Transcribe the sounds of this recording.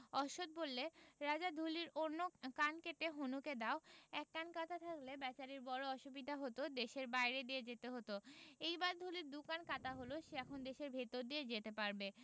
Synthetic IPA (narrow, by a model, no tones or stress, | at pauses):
ɔʃod̪̚bolːeɾad͡ʑad̪ʱuliɾonːokankeʈeɦonuked̪aoɛkːankat̪at̪ʰaklebɛt͡ɕaɾiɾbɔɾoɔʃubid̪ʱaɦot̪od̪eʃeɾbajɾed̪ijed͡ʑet̪eɦot̪oejbaɾd̪ʱuliɾd̪ukankat̪aɦoloʃeɛkʰond̪eʃeɾbʱet̪oɾd̪ied͡ʑet̪epaɾbe